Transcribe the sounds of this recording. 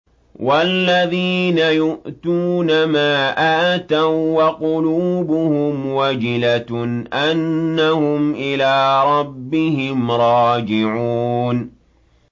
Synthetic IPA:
walːaðiːnajʊʔt̪uːnamaːʔaʔt̪awaqʊluːbʊhʊmwad͡ʒɪlatʔanːahʊmʔɪlaːɾˤɑbːɪhɪmɾˤɑːd͡ʒɪʕuːn

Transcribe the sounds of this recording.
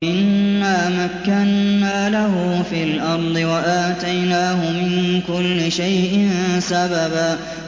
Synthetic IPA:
ʔɪnːaːmakːanːaːlaɦʊfiːlʔɑɾˤd̪ˤɨwaʔaːt̪ajnaːɦʊmɪnkʊlːɪʃajʔɪnsababaː

